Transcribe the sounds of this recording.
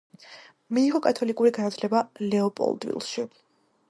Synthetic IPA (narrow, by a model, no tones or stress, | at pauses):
miːʁɔkʼat̪ʰɔlikʼuɾiɡanat̪ʰlɛbalɛɔpʼɔ̰lˠd̪vḭlˠʃi